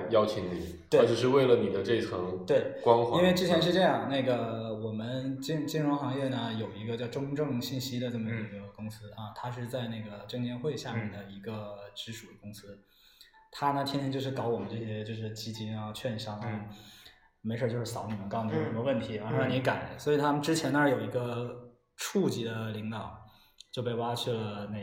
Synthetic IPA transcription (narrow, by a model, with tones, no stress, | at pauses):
jɑ˥ʊt͡ɕʰi˧˥ŋni˨˩˦we˥a˧˥ʈ͡ʂɤ˨˩ʂɻ̩˥˧we˥˩ɪlə˩ni˨˩d̪ə˦ʈ͡ʂɤ˥˧i˥t͡sʰɑ˧˥ŋt̪we˥˩ɪkwɑ˥ŋxwai˥nwe˥˧ɪʈ͡ʂɻ̩˥t͡ɕʰjɛ˧˥nʂ̬ɻ̩˥˧ʈ͡ʂɤ˥˧jɑ˥˩ŋna˥˩ɪɡə˩wɔ˨˩mə˦nt͡ɕi˥ŋt͡ɕi˥nɻʊ˧˥ŋxɑ˧˥ŋjɛ˥˩nə˩jo˨˩ʊi˧˥ɡə˧t͡ɕjɑ˥˧˩ʊʈ͡ʂʊ˥ŋʈ͡ʂɤ˥˧ŋɕi˥˩nɕi˥d̪ə˨ʈ͡ʂɤ˥˩mə˩˧˥ɡə˧ə˧˩kʊ˥ŋsɹ̩˥ɐ˧t̪ʰa˥ʂɻ̩˥˧t͡sa˥˧ɪna˥˩ɡə˩ʈ͡ʂɤ˥˧ŋnjɛ˥˧nxwe˥˧ɪɕja˥˧mjɛ˩ɛ˥˩nd̪ə˩i˧˥ɡə˧ʈ͡ʂɻ̩˧˥ʂu˨˩d̪ə˦kʊ˥ŋsɹ̩˥ | t̪ʰa˥nə˨t̪ʰɛ˥nt̪ʰɛ˥t͡ɕo˥˧ʊʂɻ̩˥˩kɑ˧˥ʊwɔ˨˩ə˦nʈ͡ʂɤ˥˩ɕjɛ˥t͡ɕjo˥˧ʊʂ̬ɻ̩˥˧˩t͡ɕi˥t͡ɕi˥nɐ˥˧t͡ɕʰɥɛ˥˧nɕɑ˥ŋa˧˩ | me˧˥ɪʂo˥˧˩t͡ɕjʂ̩˥˩sɑ˧˥ʊni˨˩mə˦nkɑ˥˩ʊn˨˩˥ʂə˧˥mə˧wə˥˩nt̪ʰi˧˥ɑ˧˥ɑ˥˧˩ni˧˥ka˨˩˦nswɔ˧˥i˨˩t̪ʰa˥mə˨nʈ͡ʂɻ̩˥t͡ɕʰjɛ˧˥nə˧˥jo˨˩ʊi˧˥ɡə˧ | ʈ͡ʂʰu˥˧t͡ɕi˧˥d̪ə˧li˧˥ŋt̪ɑ˨˩˦ʊ | t͡ɕjo˥˧ʊp̬e˥˩ɪwa˥ʈ͡ʂʰɤ˥˩ne˧˩